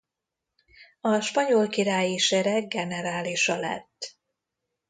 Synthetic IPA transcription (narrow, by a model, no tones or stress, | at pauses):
ɒʃpɒɲolkiɾaːjiʃɛɾɛɡ̚ɡɛnɛɾaːliʃɒlɛ̰t̪ː